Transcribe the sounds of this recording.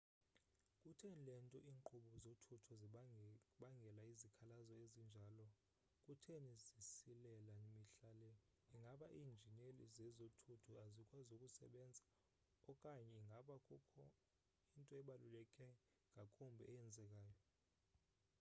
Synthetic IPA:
kʼutʰenilɛntʼɔʔiːŋŋ͡ǃuɓɔzotʰutʰɔz | ɓaŋɡʱɛlaizikʰalazɔezind͡ʒʱaːlɔ | kʼutʰenizisilɛlaimiɬalɛ | iŋɡʱaɓaʔiːnd͡ʒʱinelizɛzotʰutʰɔazikʼwazukʼusɛ̰ɓɛnd͡zʱa | ɔkʼaɲɛiŋɡʱaɓakʼukʰɔ | intʼɔɛɓalulɛkʼɛ | ŋɡʱakʼumbʱɛ̰ɛɛnd͡zʱɛk̬ʼaːjɔ

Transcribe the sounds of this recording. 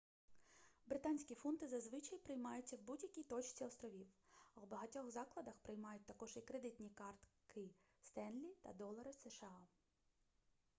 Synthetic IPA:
bɾɪt̪ɑnʲsʲkʲifɔnt̪ɪzɐzʋɪt͡ʃɐjpɾɪjmɑjʊtt͡sʲːɐwbudʲjɐkʲijt̪ɔt͡ʃt͡sʲiɔst̪ɾɔʋʲiwwbɐɦɐtʲɔxzɑklˠɐd̪ɐxpɾɪjmɑjʊt̚ʲt̪ɐkɔʒikɾed̪ɪt̪ʲnʲikɑrt̪kɪ | st̪ɛnlʲit̪ɐ̰d̪ɔlˠɐɾɐseʃeɑ

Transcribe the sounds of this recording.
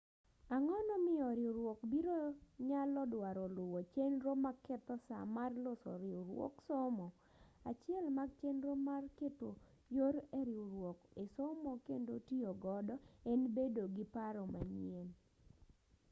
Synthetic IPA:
aŋɔnɔmɪjɔɾɪuɾwokbiɾoɲalɔdwaɾɔlʊwot͡ʃenɾomakɛt̪ɔsa̰marlosɔ̰ɾɪuɾwɔ̰ksomɔ | at͡ʃɪɛlmaɡt͡ʃenɾomarketo | joɾɛɾɪuɾwɔkesomɔkendotioɡɔdɔɛnbedoɡɪpaɾɔma̰ɲien

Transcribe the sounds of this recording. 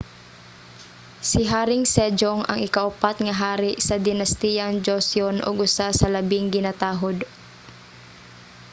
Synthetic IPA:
sɪɦaːɾɪŋsɛd͡ʒoŋʔɐ̰ŋɪkaʔʊpat̪ŋɐɦaːɾɪʔsɐd̪ɪnɐst̪ijɐŋd͡ʒosjonʔo̰ɡʊsasɐlɐbɪŋɡɪnat̪aːɦod̪

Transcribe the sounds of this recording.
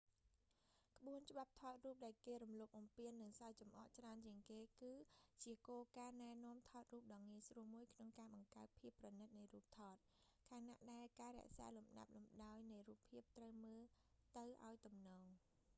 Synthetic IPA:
kə̆ɓuənt͡ɕə̆ɓap̚t̪ʰɑːt̪̚ruːp̚ɗaɛlkeːrumloːp̚ʔɑmpiənːɨŋsajt͡ɕɑmʔɑʔt͡ɕraənt͡ɕiəŋkeːkɨːt͡ɕiəkoːkaːnaɛnɔ̆əmt̪ʰɑːt̪̚ruːp̚ɗɑːŋiəjsruəmuəjkʰnoŋkaːɓɑŋkaət̪̚pʰiəpːrɑnɨt̪̚nɨjruːp̚t̪ʰɑːt̪̚kʰaːnaʔɗaɛlkaːɾɛ̆əʔsa̰ːlumɗa̰p̚lumɗaɔjnɨjruːpʰːiəp̚t̪rəwməːl | t̪ɨwʔa̰ɔjt̪umnɔːŋ

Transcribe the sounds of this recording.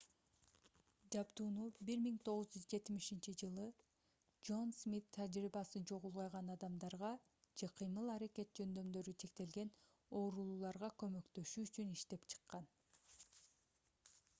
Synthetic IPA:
d͡ʒɑbt̪uːnubiɾmiŋt̪ʰo̞ʁɯzd͡ʒyzd͡ʒe̞t̪miʃint͡ʃid͡ʒɯlˠɯ | d͡ʒo̞nsmʲit̪ʰːad͡ʒɾibɑsɯd͡ʒo̞ʁulˠʁɑjʁɑnɑd̪ɑmd̪ɑɾʁɑ | d͡ʒe̞qʰijmɯlˠɑɾeke̞t̪̚d͡ʒø̞nd̪ø̞md̪ø̞ɾyt͡ʃʰe̞kt̪e̞lɡe̞n | o̞ːɾulˠuːlˠɑɾʁɑkø̞mø̞kt̪ø̞ʃyːt͡ʃyniʃt̪e̞pt͡ʃʰɯ̥qːɑn

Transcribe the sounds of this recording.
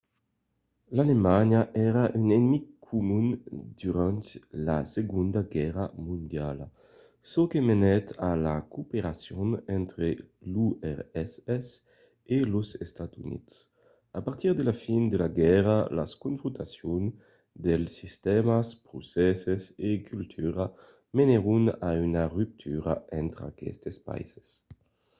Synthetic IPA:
lalemaɲaʔɛɾaʔynenmikkʰːumund̪yɾant̪la̰seɡund̪aɡɛʁamũnd̪jala | sokemenɛt̪alakopeɾasjonɛnt̪ɾeluɛʁɛsɛs | eluzest̪at̪ṵnḭt̪s | apaɾt̪iɾd̪elafind̪elaɡɛʁala̰skuɱfɾunt̪asjon | d̪elsist̪ɛmaspɾusɛsesekylt̪ʰyɾa | meneɾunaynaryp̚t̪ʰyɾa̰ɛnt̪ɾa̰kɛ̰st̪espa̰ḭze̥s

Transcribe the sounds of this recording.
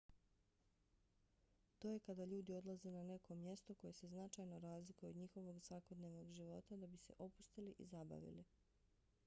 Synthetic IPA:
t̪o̞je̞kad̪aʎuːd̪io̞d̪lˠaze̞nane̞ko̞mje̞st̪o̞ko̞je̞se̞znat͡ʃajnoɾaːzlikujeod̪ɲixo̞ʋo̞ɡsʋako̞d̪ne̞ʋno̞ɡʒiʋo̞t̪ad̪abise̞̰ʔo̞pu̥st̪iliʔḭzaba̰ʋḭli

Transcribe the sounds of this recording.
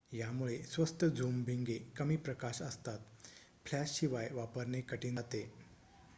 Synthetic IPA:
jamuɭesʋəst̪ʰəd͡zuːmbʱiŋɡekəmiːpɾəkaɕəst̪at̪ | fʰlæsɕiʋajʋapəɾɳekəʈiːnat̪e

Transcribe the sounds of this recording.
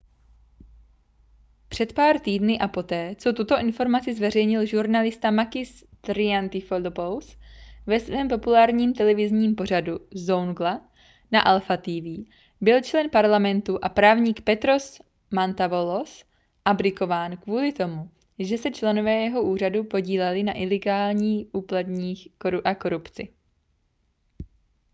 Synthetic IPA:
pr̝̥ɛt̪paːɾt̪iːdnɪʔapo̞t̪ɛːt͡so̞t̪ut̪o̞ʔɪnfo̞ɾmat͡sɪzvɛr̝ɛjɲɪlʒuɾnalɪst̪amakɪs | t̪ɾɪant̪ɪfolopowsvɛsvɛːmpo̞pulaːɾɲiːmt̪ɛlɛvɪzɲiːmpo̞r̝aduzownɡla | naʔalfat̪iːviː | bɪlt͡ʃlɛnpaɾlamɛnt̪uʔapɾaːvɲiːkpɛt̪ɾo̞s | mant̪avolo̞s | ʔabɾɪko̞vaːnkvuːlɪt̪o̞mu | ʒɛsɛt͡ʃlɛno̞vɛːjɛɦo̞ʔuːr̝adupo̞ɟiːlɛlɪnaʔɪlɛɡaːlɲiːʔuːplad̪ɲiːxkoɾuʔako̞ɾupt͡sɪ̰

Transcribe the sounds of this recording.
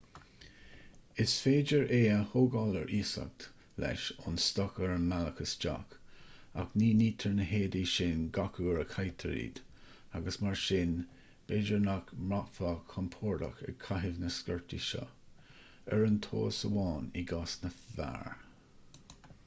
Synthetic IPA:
ɪsfeːd͡ʒəɹeːəhoːɡɑːləɹʔiːsa̰k̚t̪ | lɛ̰ʃʊnst̪ɔkəɹəmaləkəsd͡ʒa̰ka̰kniːniːt̪ʰəɹnəɦeːdiːʃɪnɡakʰuːɹəkʰajt̪ʰəɾḭːd̪ | aɡəsmaɹʃɪn | b̥eːd͡ʒəɹnakmɹakfakʰːɔmpʰɔːɹda̰kɛ̰ɡ̚kʰaɦɪvnəskəɹtḭʃɔ̰ | ɛɹənt̪ʰo̰ːsəwɑːniɡasnəva̰ɹ

